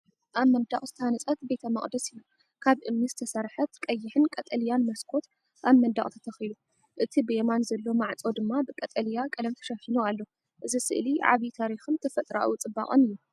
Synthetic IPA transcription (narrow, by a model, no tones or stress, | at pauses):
ʔaβmɐnd̪aχʼzɨt̪ʰhanɐsʼɐt̪be̞t̪ʰɐmɐχʼd̪ɐsijːu | kʰaβʔɨmnizɨt̪ʰɐsɐɾħɐt̪kʼɐjːɪħɨnkʼɐt̪ʼɐljanmɐskʰo̞t̪ | ʔaβmɐnd̪a̰χʼt̪ʰɐ̥t̪ʰɐxilu | ʔɨt̪ʰibɨemanzɐlːo̞maʕt͡sʼo̞d̪ɨmːabɨkʼɐt̪ʼɐljakʼɐlɐmt̪ʰɐ̥ʃɐħinualːo̞ | ʔɨzisɨ̰ʔliʕa̰βit̪ʰaɾixɨnt̪ʰɐfɐt̪ʼɾa̰ʔwut͡sʼɨba̰χʼɨnɨjːu